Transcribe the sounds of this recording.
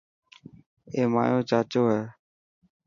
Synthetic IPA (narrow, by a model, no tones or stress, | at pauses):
eːma̰ːjõːt͡ʃaːt͡ʃoːɦeː